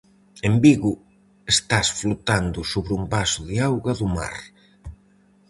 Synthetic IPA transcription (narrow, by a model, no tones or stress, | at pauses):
embiɣʊ | est̪asflut̪and̪ʊsoβɾumbasʊðɪawɣɐðʊma̰ɾ